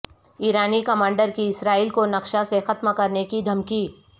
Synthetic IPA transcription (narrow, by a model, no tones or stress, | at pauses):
iːɾaːnikɐmãːɳɖəɾkiɪsɾaːiːlkonɐkʃasexɐt̪mkɐɾnekid̪ʱɐmki